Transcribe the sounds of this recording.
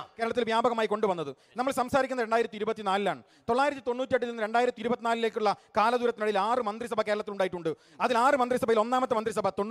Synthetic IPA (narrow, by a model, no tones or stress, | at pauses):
keɾɐɭɐt̪ːilʋjaːbɐɣɐmaːjiko̞ɳɖɨʋɐnːɐðɨ | nɐmːɐɭsɐmsaːɾikʲːunːɐɾeɳɖaːjiɾɐt̪ːiɾubɐt̪ːinaːlilaːɳɨ | t̪oɭːaːjiɾɐt̪ːit̪o̞nːuːtːiɐʈːitːonːɨɾe̞ɳɖaːjiɾɐt̪ːiɾubɐt̪ːinaːlile̞ːkːuɭːɐkaːlɐd̪uːɾɐt̪ːinɐɽijilaːrɨmɐnd̪ris̬ɐbʱɐke̞ːɾɐɭɐt̪ːiluɳɖaːjiʈːuɳɖɨ | ɐðilaːrɨmɐnd̪risɐbʱɐjilo̞nːaːmɐt̪ːɨmɐnd̪ris̬ɐbʱɐt̪o̞nː